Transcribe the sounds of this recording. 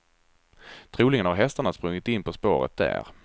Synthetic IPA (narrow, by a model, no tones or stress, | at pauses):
t̪ʰɾuːlɪŋənhaɾɦɛst̪aɳaspɾɵŋːɪt̪ɪnːpʰɔspo̰ːɾə̰t̪̚d̪æ̰ɾ